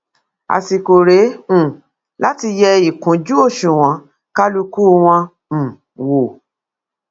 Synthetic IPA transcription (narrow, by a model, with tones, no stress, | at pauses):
a̰˨si˨ko˨ɾẽ˨˦˨ | la˦ti˧jɛ˧i˨kũ˨˦d͡ʒu˦o˦˨ʃũ˨w̃ɔ̃˨˦ | ka˦lu˧ku˦w̃ɔ̃˧˨ | wo˨